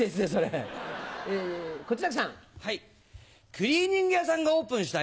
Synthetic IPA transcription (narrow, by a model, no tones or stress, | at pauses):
esɨneso̞ɾe | eko̞t͡ɕiɾakɯ̥sã̰ŋhai | kɯ̟ɾʲiːɲ̟ĩŋɡɯjasãŋɡao̞ːpɯ̟̃ɰ̃ɕ̬i̥t̪a